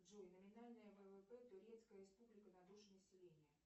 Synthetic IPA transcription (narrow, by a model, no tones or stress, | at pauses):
ʐojnəmʲɪnalʲnəjəvɛvɛpɛt̪ʊɾʲet̪skəjəɾʲɪspublʲɪkənɐd̪uʐənəsʲɪlʲenʲɪjə